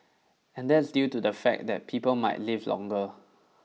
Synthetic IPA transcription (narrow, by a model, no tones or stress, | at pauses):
ɛ̃ndɛtsdjutudəfɛ̰k̚dɛ̰t̚pʰipəlma̰ɪtlivlɔ̰̃ŋɡə